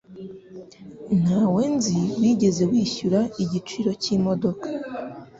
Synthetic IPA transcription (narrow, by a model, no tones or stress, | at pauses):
nawenziwiɟe̞ze̞wiːçuɾaiɟit͡ʃiːɾo̞cimo̞do̞kḁ